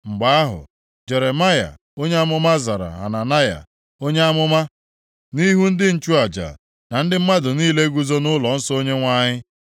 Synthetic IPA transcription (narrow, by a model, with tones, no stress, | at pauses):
ŋ͡m̩˨ɡ͡ba˨˦a˦ɦʊ̰˨ | d͡ʒe˨ɾe˨ma˦ja̰˨ | o˦ɲe˦a˦mʊ˦ma˦za˨ɾa̰˨a̰˨na˨na˦ja̰˨ | o˦ɲe˦a˦mʊ˦ma˦ | ni˦ɦu˦n̩˦dɪ˦n̩˨t͡ʃu˦a˨d͡ʒa̰˨ | na˨n̩˦dɪ˦m̩˦ma˦dʊ˨niː˦le˦ɡu˦zo˦nʊ˦lɔ˨n̩˦so˦ɲe˦ŋʷa˦ɲɪ˦